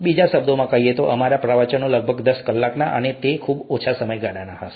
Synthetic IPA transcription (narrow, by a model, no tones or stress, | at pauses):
bid͡ʒaʃəb̚d̪omãkəɦiet̪oʔəmaɾapɾəʋət͡ʃənũləɡ̚bʱəɡd̪əskəlːaknaʔə̰net̪ekʰubot͡ʃʰasəməjɡaɽanaɦəs